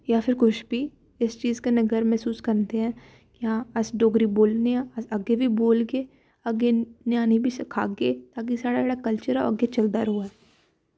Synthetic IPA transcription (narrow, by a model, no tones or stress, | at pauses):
japʰɪɾkʊʃbʱiː | ɪst͡ʃiːzkenɐɡəɾmɛɦsuːskɐɾnt̪eɦɛ̃ː | kiɦãːɐsɖoːɡɾiboːlneãɐsɐɡebʱiboːlɡeː | ɐɡenjaːnibʱisɐkʰa̰ːɡeːt̪aːk̬isaːɽaːɽakəlt͡ʃəɾɛ̰ɐɡet͡ʃɐld̪aːɾɦuaɛː